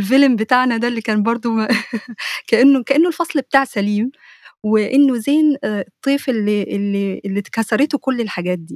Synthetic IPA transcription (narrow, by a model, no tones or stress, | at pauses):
lfelmbet̪aʕnæd̪ælːikæːnbɑɾˤd̪ˤo | kæʔenːokæʔenːolfɑsˤlbet̪aːʕsæliːm | weʔenːozeːnt̪ˤːiːfelːiʔelːielːikæsɑɾˤet̪okolːelħaɡæːt̪̚d̪iː